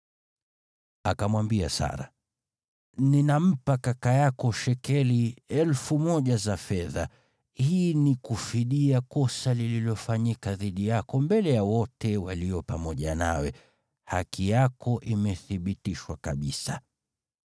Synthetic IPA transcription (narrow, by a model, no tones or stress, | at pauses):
akamwambia̰sa̰ɾa̰ | ninam̩pakakajakɔʃɛkɛliɛlfumɔʄazafɛða̰ | hiːnikufiɗiakɔsalililɔfaɲikaðiɗijakɔmbɛlɛjawɔtɛwaliɔpamɔʄana̰wɛ | hakʰijakɔʔimɛθiɓitiʃwakaɓisa